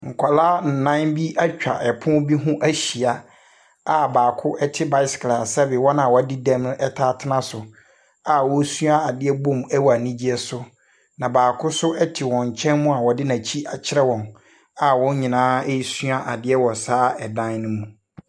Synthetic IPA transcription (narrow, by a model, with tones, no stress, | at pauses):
ŋ̩˨kʷʰa˨laː˦n̩˨nã˦nbi˦ʔa˦t͡ɕᶣa˨ʔɛ˨pʰʊ̃˦bi˦ɦũ˦ʔæ˦ɕi˨a˨ | a˨baː˨kʰʊ˦ʔɛ˦tʰɪ˦ba˦ɪ˦skla˨sɛ˦bɪ˨wɔ˦nã˨wɔ˨a˦dɪ˦dɛ̃˦mlʔɛ˦tʰaː˦tʰɪ˦nã˦sʊ˨ | a˨wɔ˦su˦a˦a˨dɪ˦ɛ˦bũ˦mɛ˦wa˨nĩ˦d͡ʑi˦ɛ˦sʊ˦ | nã˨baː˨kʰʊ˦sʊ˦ʔɛ˦tʰɪ˨wɔ̃˨ɲ̩˨t͡ɕʰɛ̃˦nmũ˦a˨wɔ˨dɪ˦nã˨t͡ɕʰi˦ʔa˨t͡ɕʰɪ˦ɾɛ˦wɔ̃˨n | a˨wɔ̃˦ɲĩ˨nãː˦ɛ˦ji˦sũ˦a˦ʔa˨dɪ˦ɛ˦wɔ˨saː˦ɛ˨dã˦nnʊ̃˦mũ˨